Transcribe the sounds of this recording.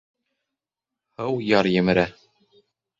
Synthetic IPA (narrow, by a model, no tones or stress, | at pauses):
hɤwjɑɾjɘ̆mɘ̆ɾæ